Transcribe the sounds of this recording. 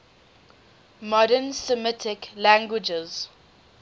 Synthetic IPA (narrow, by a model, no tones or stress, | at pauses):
mɔɾənsəmɪtʰɪklãŋɡwɪd͡ʒɪz̥